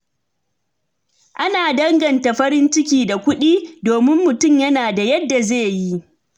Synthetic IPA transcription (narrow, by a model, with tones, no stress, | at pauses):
ʔa˦naː˨dɐ˦ŋɡɐ˨nta˨ɸɐ˦ɾɪ˦nt͡ʃɪ˦kʲiː˨da˨kʷʊ˦ɗiː˦doː˨mɪ˦mːʊ˨tʊ˦˨mjɐ˦naː˨da˨jɐ˦dːa˨zeː˦˨ji˦ʔ